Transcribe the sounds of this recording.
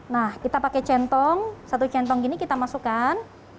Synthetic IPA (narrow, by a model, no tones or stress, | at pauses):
nahkit̪apakɛt͡ʃɛnt̪ɔŋsat̪ut͡ʃɛnt̪ɔŋkinikit̪amasukan